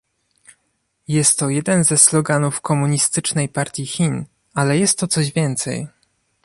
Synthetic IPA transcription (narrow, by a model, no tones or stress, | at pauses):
jɛst̪ːɔjɛd̪ɛnzɛsːlɔɡanufkɔmuɲist̪ɘt͡ʂnɛjpaɾt̪ʲjixʲin | alɛjɛst̪ːɔt̪sɔʑvʲjɛnt̪sɛ̰j